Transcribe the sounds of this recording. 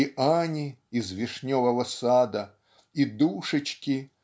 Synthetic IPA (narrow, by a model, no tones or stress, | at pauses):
ianʲiizvʲɛʂnʲɔvɐvɐsad̪ɐ | id̪uʂɨt͡ɕkʲi